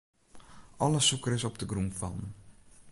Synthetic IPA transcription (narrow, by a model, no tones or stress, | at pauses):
ʔɔləsukəɾɪsɔpdəɡɾumfɔn